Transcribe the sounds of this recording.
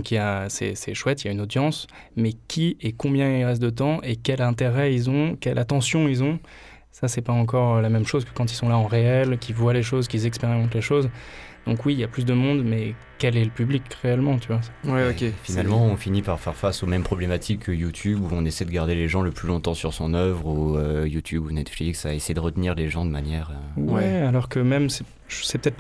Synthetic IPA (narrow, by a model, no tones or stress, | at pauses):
d̪ɔ̃kiljasɛ̰sɛʃwɛt̪iljaynod̪jɑ̃s | mɛkʲʰiekɔ̃bjɛ̃illʁɛst̪̚d̪ət̪̬ɑ̃ʔekʲɛlɛ̃t̪eʁɛilzɔ̃kʲɛlʔat̪ɑ̃sjɔ̃ilzɔ̃ | sasɛpaɑ̃k̬ɔʁəlamɛmʃozkə̥kɑ̃t̪̬ilsɔ̃laɑ̃ʁeɛlkʲivwaleʃozkʲilzɛkspeʁimɑ̃t̪leʃozd̪̥ɔ̃kwiːljaplys̬d̪əmɔ̃d̪mɛ | kɛlɛləpyblikʁeɛlmɑ̃t̪ʰyvwaswɛokʲefinalmɑ̃ɔ̃finipaʁfɛʁfasomɛmpχɔblemat̪ʰikʰːəjut̪ʰybuɔ̃nesɛd̪əɡaʁd̪eleʒɑ̃ləplylɔ̃t̪ɑ̃syʁsɔ̃nœvʁuøjut̪ʰybunɛt̪fliksaesɛjed̪əʁət̪niʁleʒɑ̃d̪əmanjɛːʁøwwɛalɔʁkəmɛmsɛ | ʒsɛpət̪ɛt̪